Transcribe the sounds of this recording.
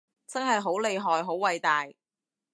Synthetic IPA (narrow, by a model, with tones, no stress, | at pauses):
t͡sɐ˥nɦɐ˨jɦo˨˥wle˨˧jɦɔː˨jɦo˨˥wwɐ˨˧jt̪aː˨j